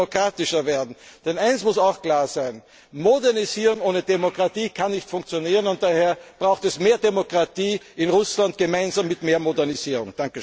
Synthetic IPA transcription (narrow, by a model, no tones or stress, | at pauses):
okʁaːtɪʃɐveːɐdn̩d̥ɛnaɪnsmʊsaʊxkl̥aːɐzæɪn | modɛɐniziːʁʊŋoːnədemokʁ̥atiːkʰanːɪçtfʊŋkt͡sjoniːʁənʊnt̚d̥aːheːɐb̥ʁaʊxtɛsmeːɐdemokʁ̥atiːɪnʁʊslant̚ɡ̥əmaɪnzaːmːɪtmeːɐmodɛɐniz̥iːʁʊ̰ŋd̥aŋkə